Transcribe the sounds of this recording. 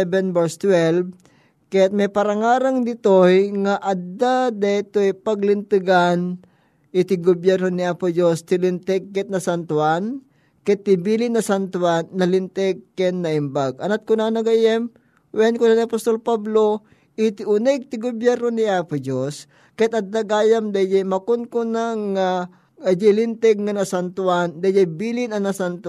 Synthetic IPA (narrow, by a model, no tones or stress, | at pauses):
ɛbɛnvɛɹst̪wɛlb | kɐjat̪̚mɛjpɐɾɐŋaːɾaŋd̪ɪt̪ojŋaʔɐd̪ad̪ɐɪt̪ojpɐɡlɪnt̪ɨɡan | ʔɪt̪ɪɡobjɛɾnonɪʔapod͡ʒost̪ɪlɪnt̪ɛɡ̚kɛt̪̚nɐsant̪wan | kɛt̪ːɪbiːlɪnɐsant̪wanːɐlɪnt̪ɛɡ̚kɛnːɐʔɪmbaɡ̚ʔɐnat̪̚kʊnanɐɡajɛm | wɛnkʊnaniɐpost̪olpablo | ʔɪt̪ɪʊnɛɡ̚t̪ɪɡobjɛɾnonɪʔaːpʊd͡ʒos | kɛt̪̚ɐd̪ɐɡaːjamd̪ajjamɐkʊnkʊnaŋa | d͡ʒɪlɪnt̪ɛɡ̚ŋanɐsant̪uand̪ajjajbiːlɪnɐnɐsant̪